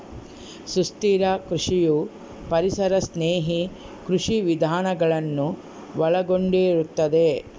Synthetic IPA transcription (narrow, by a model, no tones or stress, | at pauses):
sust̪iːɾɐkɾuʂiju | pɐɾisɐɾɐsneːɦi | kɾuʂiʋid̪ʱaːnɐɡɐɭɐnːu | ʋɐɭɐɡo̞ɳɖiɾut̪ːɐd̪e̞